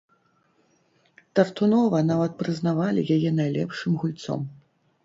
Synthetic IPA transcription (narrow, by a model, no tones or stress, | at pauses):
t̪ɐrt̪unɔvɐnavɐt̪̚pɾɨznavalʲḭjajɛnajlʲɛpʂɨmɣulʲt̪sɔ̰m